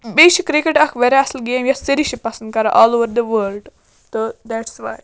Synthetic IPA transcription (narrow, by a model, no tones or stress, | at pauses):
beʃikɾikeʈɐkʰʋɛɾɛɐsəlɡeːmjɐsəɾiʃipɐsənd̪̚kaɾaʔɔːloʋəɾd̪əʋəlɖ | t̪əd̪æʈsʋa̰ːj